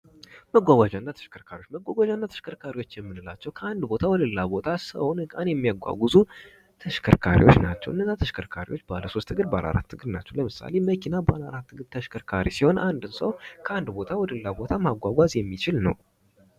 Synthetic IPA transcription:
məɡʷaɡʷad͡ʒanːat̪ʰə̥ʃkʰəɾkʰaɾiot͡ʃːməɡʷaɡʷad͡ʒanːat̪ʰə̥ʃkʰəɾkʰaɾiwo̞t͡ʃːjɛmːɨnɨla̰t͡ʃːɛwkʰəand̪bo̞t̪ʰawɔd̪əlːabo̞t̪ʰasə̰wnɨkʼanjɛmːijaɡʷa̰ɡuzu | t̪ʰəʃkʰə̰ɾkʰaɾḭwo̞̰t͡ʃːna̰t͡ʃːɛ̰wʔɨnːəzːat̪ʰəʃkʰəɾkʰaɾḭwot͡ʃːbaləso̞st̪ʰːɨɡɨɾba̰lʔa̰ɾa̰t̪ʰːɨɡɨɾnat͡ʃːɛwləmɨsa̰le̞məkʰinabəalaɾat̪ːɨɡɨɾt̪ʰəʃkʰəɾkʰaɾisiho̞nʔand̪ɨsəwkʰəand̪bo̞t̪ʰawɔd̪əlːabo̞t̪ʰamaɡʷaɡʷazjɛmːit͡ʃɪlnə̰w

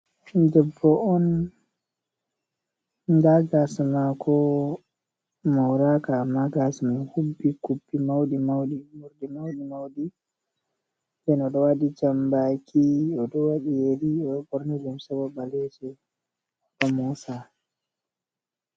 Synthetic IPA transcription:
d͡ʒɛbːɔʔɔn | daɡasmakʰɔ | mawɾakaːmːaɡasmahubːikubːimawɗimawɗimuɾdimawɗimawɗi | dɛnɔɗɔwaɗid͡ʒambakʰiɔɗɔwaɗijeɾiɔbɔɾnid͡ʒumsɛwɔbalɛd͡ʒɛ | kamusa

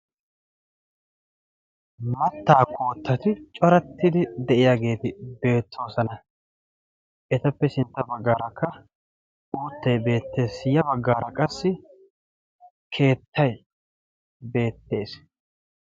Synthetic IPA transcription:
mɐt̪ːaːkʰo̞ːt̪ːɐt̪ɪt͡ʃʼɔɾɐt̪ːɪd̪ɪd̪ɛʔɪjaːɡe̞ːt̪ɪbe̞ːt̪ːo̞ːsɐnɐ | ʔɛt̪ɐpːɛsɪnt̪ːɐbɐɡːaːɾɐkːɐ | uːt̪ːɐjbe̞ːt̪ːe̞ːsɪjɐbɐɡːaːɾɐkʼɐsːɪ | kʰe̞ːt̪ʰːɐj | be̞ːt̪ːe̞ːs

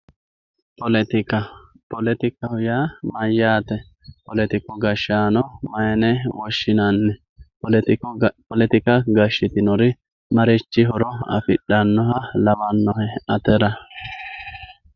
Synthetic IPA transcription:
pɔlt̪ɪɐ | pɔlɛt̪ɪkɐhʊjaːmɐjːaːt̪ɛ | pɔlɛt̪ɪkɔɡɐʃːaːnɔmɐjɛnɛwɔʃːɪnɐnːɛ | pɔlɛt̪ɪkɐɡɐʃːɪt̪ɪnɔɾɪ | mɐɾɛt͡ʃːɪɦɔɾɔɐ̰fɪɗɐnːɔɦɐlɐwɐnːɔhɛɐt̪ɛɾɐ

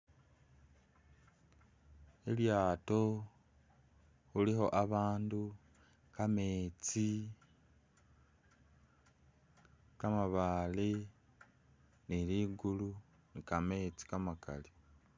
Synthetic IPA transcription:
eljaːto̞ | xulixo̞ʔaβaːndu | kame̞ːt͡si | kamaβali | niliɡulu | nikame̞ːt͡si̥kamaka̰li

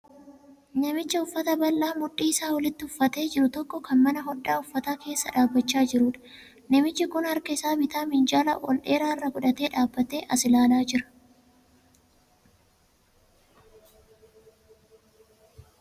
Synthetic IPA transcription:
nɐmɪt͡ʃːɐʊfːɐt̪ɐbɐlːaːmʊᶑːiːɪsaːwɔlɪt̪ːɪhʊfːɐt̪e̞ːd͡ʒɪɾʊt̪ɔkːɔkɐnmɐnɐɦɔᶑːaːʊfːɐt̪aːke̞ːsːɐᶑaːbːɐt͡ʃːaːd͡ʒɪɾuːᶑɐ̥ | nɐmɪt͡ʃːɪkʊnhɐɾkɐɪsaːbɪt̪aːmɪnd͡ʒaːlɐ̰wɔ̰lʔe̞ːɾaːɪrːɐɡʊᶑɐt̪e̞ːᶑaːbːɐt̪e̞ːʔɐsɪlaːlaːd͡ʒɪɾɐ̥

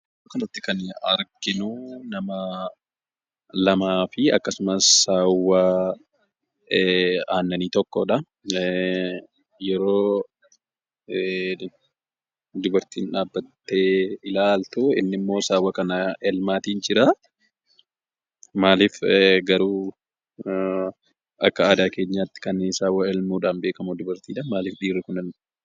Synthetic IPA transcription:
okɐnɐt̪ːɪkɐnɐ̰ɾɡɪnunɐmɐ | lɐmaːfɪɐkːɐsʊmɐsːaːwːa | aːnːɐniːt̪ɔkːoːᶑɐ | jɛɾo̞ː | d̪ʊbɐɾt̪iːnᶑaːbːɐt̪ːe̞ːɪlaːlt̪uɪ̰nːɪmːo̞ːsaːwɐkɐnɐɛlmaːt̪iːnd͡ʒɪɾa | maːliːfɡɐɾuː | ʔɐkːɐaːd̪aːke̞ːɲːaːt̪ːɪ̥kɐneːsaːwɐɛlmuːᶑaːnbeːkɐmud̪ʊbɐɾt̪iːᶑaːnmaːliːfᶑiːrːɪkʊnɐn

